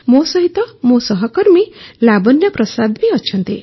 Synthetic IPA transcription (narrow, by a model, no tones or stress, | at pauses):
mosʌɦit̪ʌmosʌɦʌkʌɾmilabʌnjʌpɾʌsad̪ʱmiʌt͡ʃʰʌnt̪ḭ